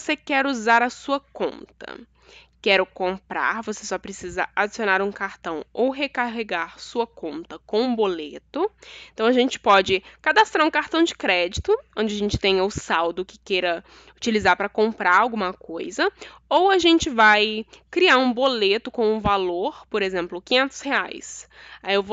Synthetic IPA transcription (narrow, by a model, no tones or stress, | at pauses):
sekɛɾuzaɾɐsuɐkõ̰nt̪ɐ̰ | kɛɾʊkõmpɾa̰ɾvosesɔpɾesizɐad͡ʒisionaɾũkaɾt̪ɐ̃w̃owɦekaɦeɡaɾsuɐkõnt̪ɐkõw̃ũbolet̪ʊẽnt̪ɐ̃w̃aʒẽnt͡ʃɪ̥pɔd͡ʒɪkad̪ast̪ɾaɾũkaɾt̪ɐ̃w̃d͡ʒɪkɾɛd͡ʒit̪ʊõnd͡ʒɪaʒẽnt͡ʃɪ̥t̪ẽɲɐʊsawd̪ʊkɪ̥keɾɐ | ʊt͡ʃilizaɾpɾɐkõmpɾaɾawɡũmɐkojzɐ | owaʒẽnt͡ʃɪvajkɾiaɾũbolet̪ʊkõw̃ũvaloɾpoɾezẽmplʊkĩɲẽnt̪ʊ̥shea̰js | aiewvo